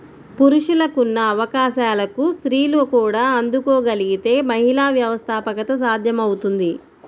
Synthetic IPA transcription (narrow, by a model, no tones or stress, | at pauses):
puɾuʂulɐkunːɐːʋɐkaːʃaːlɐkusɾiːloːkuːɽaːɐnd̪ukoːɡɐliɡit̪e̞ːmɐɦilaːʋjɐʋɐst̪ʰaːpɐkɐt̪ɐs̬aːd̪ʱjɐmɐwut̪und̪i